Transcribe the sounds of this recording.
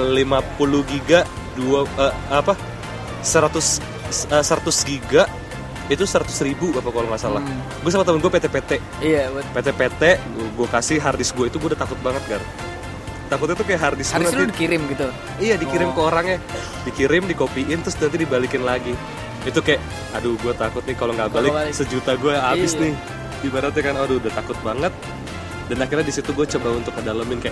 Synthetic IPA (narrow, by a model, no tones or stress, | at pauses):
limapulʊɡiɡaduaə | apa | səɾat̪ʊs | əsəɾat̪ʊsɡiɡaʔ | it̪usəɾat̪ʊ̥sɾibuapakolaŋmasala | ɡuasamat̪əmʊnɡuapet̪ɛpet̪ɛ | ijapet̪epet̪ɛʔ | ɡuakasɪɦardɪsɡuait̪uɡuaudaht̪akʊt̪̚baŋət̪̚ɡaɾ | t̪akʊt̪it̪ukajaʔɦardɪsɡuananidikiɾɪmɡit̪u | ijadikiɾɪmkəoɾaŋja | dikiɾɪmdikopiʔɪnt̪ɾʊsd̪ənant̪idibalikɪnlaɡi | it̪ukajaʔ | aduɡuat̪akʊt̪̚nɪkaloŋɡabalɪsəd͡ʒut̪aɡuaabɪsnɪh | ɡimanat̪ɲakanoduudaht̪akʊt̪̚baŋət̪̚ | danakɪrɲadisit̪uɡuat͡ʃəbaunt̪ʊk̚ːədaləmɪnkajaʔ